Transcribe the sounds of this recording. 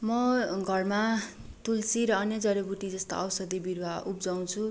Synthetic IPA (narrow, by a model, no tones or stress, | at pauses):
mʌɡʱʌrmat̪ulsiɾʌʌnjʌd͡zʌɾebuʈid͡zʌst̪a̰ʌwsʌd̪ibiɾwaubd͡zaw̃t͡sʰu